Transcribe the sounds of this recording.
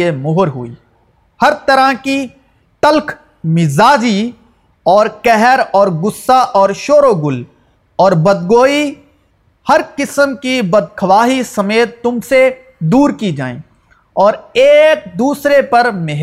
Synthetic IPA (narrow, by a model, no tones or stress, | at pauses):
emʊɦʊɾɦʊ̰ḭː | hɐɾt̪ɐɾəki | t̪ɐlk | mɪzaːd͡ʒi | ɔːɾkɛɦɾɔːɾɡʊsːaʔɔːɾʃoːɾoɡʊl | ɔːɾbɐd̪ɡoːi | hɐɾkɪsəmkibɐd̪̚kʰɐʋaːɦisɐmeːt̪ːʊmse | d̪uːɾkid͡ʒa̰ːḛ̃ː | ɔːɾeːk̚d̪uːsɾepɐɾmɪɦ